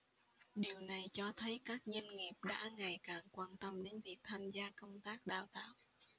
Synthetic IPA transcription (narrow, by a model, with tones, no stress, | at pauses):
ɗi˨˩əwna˨˩jt͡ɕɔ˧t̪ʰə˨˦jkaː˦˥k̚ɲə˧nŋi˨˩p̚ɗa̰ː˧˥ŋa˨˩jkaː˨˩ŋkwaː˧nt̪ə˧mɗe˨˦nvi˨˩ək̚t̪ʰaː˧mzaː˧kə˧wŋ͡mt̪aː˦˥k̚ɗa̰ː˧˨˩wt̪a̰ː˧˨w